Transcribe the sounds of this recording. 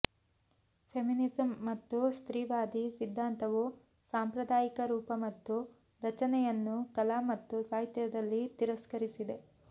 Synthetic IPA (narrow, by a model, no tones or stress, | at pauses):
pʰeminizɐmːɐt̪ːust̪ɾiːʋaːd̪isid̪ʱːaːnt̪ɐʋu | saːmpɾɐd̪aːjikɐɾuːpɐmɐt̪ːu | ɾɐt͡ʃɐnɛjɐnːukɐlaːmɐt̪ːusaːɦit̪jɐd̪ɐlːit̪iɾɐskɐɾisid̪e̞